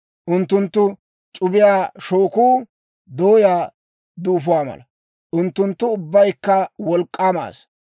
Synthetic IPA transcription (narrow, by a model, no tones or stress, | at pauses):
ʔʊnt̪ːʊnt̪ːʊ | t͡ʃʼʊbɪjaːʃoːkuː | d̪oːjaː | d̪uːfʊwaːmɐ̰lɐ | ʔʊnt̪ːʊnt̪ːʊʊbːɐjkːɐwɔlkʼːaːma̰ːs